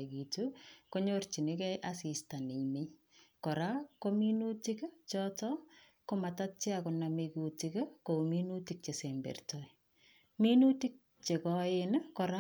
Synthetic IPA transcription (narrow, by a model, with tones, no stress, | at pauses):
ki˨tuko˦ɲort͡ʃi˨ne˦kɛ˦ʔa˦si˨sta˨ni˨ɲmɪ˦ɲ | kɔ˨ɾa˦ko˦mi˦nu˦ti˦kt͡ʃɔtɔ | ko˦ma˨ta˦t̚t͡ʃe˦akʊnamekutikko˨minuti˨k̚t͡ʃe˨sembḛ˨rtɔi | mi˦nu˦ti˦k̚ | t͡ʃe˨kɔɪnkɔ˨ɾa˦